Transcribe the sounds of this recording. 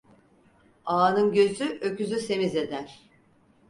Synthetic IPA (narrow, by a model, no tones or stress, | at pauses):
aːnɯnɟø̞zyʔøcyzyse̞mize̞d̪æɾ̥